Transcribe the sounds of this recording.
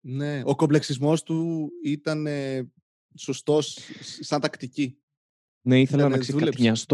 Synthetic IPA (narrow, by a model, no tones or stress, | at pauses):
ne̞okople̞ksizmo̞st̪uit̪ɐne̞ | so̞st̪o̞ssɐnt̪ɐkt̪ici | neiθelɐnɐkseðuɐleɐst̪